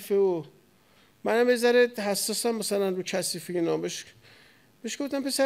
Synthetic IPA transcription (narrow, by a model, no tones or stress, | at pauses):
feo | mænæmbezæɾed̪hæsːɒːsæmːæsælænɾucʰæsiːfeinɒːbeʃ | b̥eʃɡ̥oft̪æmpʰesæ